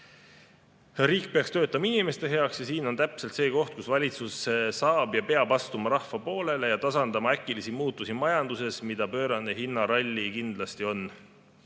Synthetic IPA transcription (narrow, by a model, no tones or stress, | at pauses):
riːk̚pe̞ɑkst̪ø̞ːt̪ːˑɑmɑinime̞st̪e̞ɦe̞ɑksjɑsiːno̞nt̪æpse̞lt̪se̞ːko̞ht̪̚kusvɑlʲit̪susesɑːb̥jɑpe̞ɑbɑst̪umɑɾɑhvɑpo̞ːle̞le̞jɑt̪ɑsɑnd̪ɑmɑækːˑilisimuːt̪ːˑusimɑjɑnd̪̥use̞smid̪̥ɑpø̞ːɾɑnːeɦinːɑɾɑlʲːikind̪lɑst̪io̞n